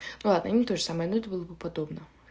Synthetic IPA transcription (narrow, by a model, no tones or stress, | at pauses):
nulˠad̪nəɐnʲit̪oʐɨsaməjɐnod̪ʲɪbɨlˠəbɨpɐd̪obnə